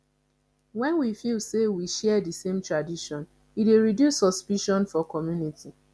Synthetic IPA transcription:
wɛ̃nwifilˠsewiʃɛdisẽmtɹadiʃɔ̃n | ideɹidjusːɔspiʃɔ̃nfɔkɔmjuniti

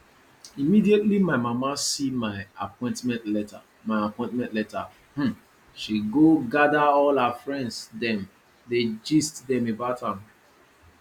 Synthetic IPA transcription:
imidietlimaɪmamasimaɪapɔ̃ɪ̃ntmɛ̃ntlɛta | maɪapɔ̃ɪ̃ntmɛ̃ntlɛta | hm̩ | ʃiɡoɡadaɔlafɹɛ̃ndsdɛ̃m | ded͡ʒistdɛ̃mebaʊthãm

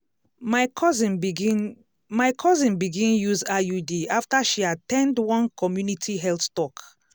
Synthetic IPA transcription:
aɔzĩn | majkʰɔzĩnbiɡĩnjuzajudiaftaʃiatɛ̃ndwɔ̃nkʰɔmjunitʰiɦɛlttɔk

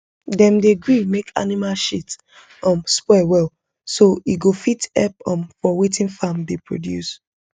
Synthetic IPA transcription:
dɛ̃mdeɡɹimekʰa̰nimalʃit | ɔ̃mspwɛwɛl | soiɡofitɛp̚ɔ̃mfɔwetĩnfãmdepʰɹo̰djṵs

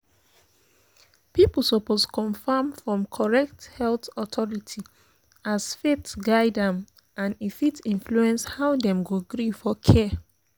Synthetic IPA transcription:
pipl̩sɔposkʰɔ̃nfãmfɹɔ̃mkʰɔɹɛk̚thɛltɔtʰɔɹitʰi | asfetɡaɪdãm | ãnifitĩnfluɛ̃nshaʊdɛ̃mɡoɡɹifɔkʰɛ

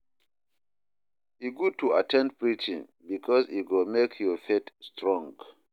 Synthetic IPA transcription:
iɡutʰua̰tʰɛ̃nd̚pɹit͡ʃḭ̃ŋ | bikʰɔsiɡomekʰjɔfetstɹɔ̃ŋɡ

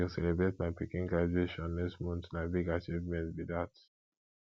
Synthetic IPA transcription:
isɛlɛbɹetmaɪpikĩŋɡɹad͡ʒeʃɔ̃nːɛkstmɔ̃ntnaɪbiɡat͡ʃivmɛ̃ntbidat

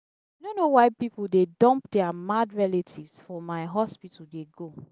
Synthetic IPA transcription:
anonowaɪpipuldedɔ̃mpdɛamadɹɛletʰivsfɔmaɪɦɔspitudeɡo

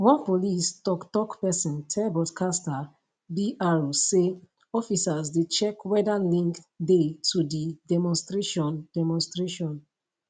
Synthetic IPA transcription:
wɔ̃npolistɔktɔkpɛsɔ̃ntʰɛbɔdkʰasta | biʔaɹuse | ɔfisazdet͡ʃɛkwɛdalĩŋkdetudidɛmɔ̃nstɹeʃɔ̃ndɛmɔ̃nstɹeʃɔ̃n

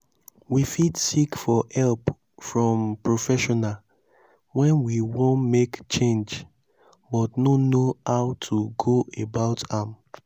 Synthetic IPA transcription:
wifidsikfɔhɛlp | fɹɔ̃mpɹofɛʃɔnal | wɛ̃nwiwõnmekt͡ʃẽnd͡ʒ | bɔtnonohaʊtʰuɡoebaʊtãm

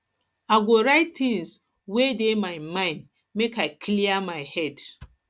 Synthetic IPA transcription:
aɡʷoɾaɪttɪ̃ŋs | wedemaɪmãɪ̃nd | mekaɪkʰliamaɪhɛd

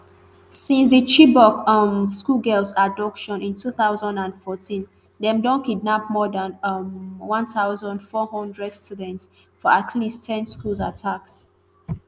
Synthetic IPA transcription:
sĩnsðət͡ʃibɔkʌmskulɡɛlsadɔpʃɔ̃nĩntʰuθaʊzə̃ndãndfɔtʰĩn | dɛ̃mdɔ̃nkidnap̚mɔdãnmwãnθaʊzə̃ndfɔhɔ̃ndɹɛd̥studɛ̃nts | fɔatʰlistʰɛ̃nskulˠzatʰaks

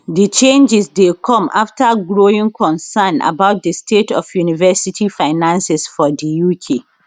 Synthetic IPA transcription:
dit͡ʃẽnd͡ʒɛsdekʰɔ̃ma̰ftʰaɡɹoĩŋkʰɔ̃nsana̰baʊt̚dəstʰetʰɔ̰fjunivɛsitʰifaɪnãnsɛsfɔdijukʰe

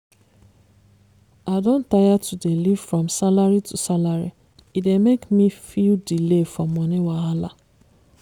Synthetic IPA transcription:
adõn̩tajatʰudeliv̥fɹɔmsalaɹitusalaɹi | idemekmifildilefɹɔmːɔniwaɦala

